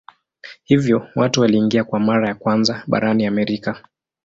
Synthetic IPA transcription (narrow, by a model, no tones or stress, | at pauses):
hivjɔwatuwaliːŋɡiakwamaɾajakwanzaɓa̰ɾaniamɛɾika